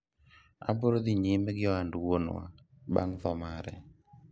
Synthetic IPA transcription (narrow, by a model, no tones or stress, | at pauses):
a̰boɾod̪iɲimɛɡɪɔanduwonwa̰ | ba̰ŋðɔmaɾɛ̰